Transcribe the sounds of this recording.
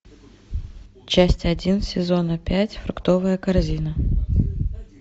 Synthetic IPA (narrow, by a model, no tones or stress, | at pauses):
t͡ɕæsʲtʲɐdʲinsʲɪzo̞nəpʲætʲfɾʊkt̪o̞vɨjəkɐrzʲinə